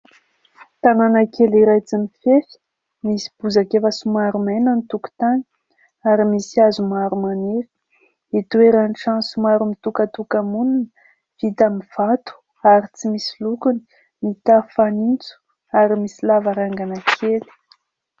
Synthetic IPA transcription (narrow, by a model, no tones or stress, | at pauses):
t̪ananakeliɾajt͡simifefi̥ | misi̥b̥uzakefəsumaɾumenənit̪uku̥t̪ani̥ | aɾimisiazumaɾumanefi̥ | it̪ueɾanʈ͡ʂansumaɾumit̪ukat̪ukamununə | v̥it̪amiv̥at̪u̥ | aɾit͡simisilukuni̥ | mit̪afanint͡su̥ | aɾimisilavaɾaŋɡanakʰeli̥